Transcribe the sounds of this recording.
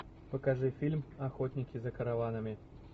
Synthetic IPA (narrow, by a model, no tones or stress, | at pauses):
pɐkaʐɨfʲilʲmaxɔt̪ʲnʲikʲizɐkɐɾavanɐmʲi